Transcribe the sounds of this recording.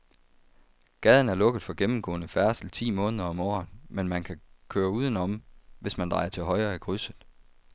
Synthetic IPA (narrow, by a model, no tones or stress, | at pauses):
ɡ̥ɛð̞ˠn̩æɐlɔ̽ɡ̥əð̩ˠfɒ̽ɡ̥emm̩ɡ̥ɔ̰̽ːnəfæɐsl̩t͡sʰḭːmɔ̽ːnəðˠɐɒ̽mɒ̰ːnmenmænkʰækʰøːɐuːð̞ˠən̩ɒ̽mʋe̝smænd̥ʁɑ̈ɪɐt͡sʰe̝lɦɒ̽ɪɐːiɡ̥ʁysð̩ˠ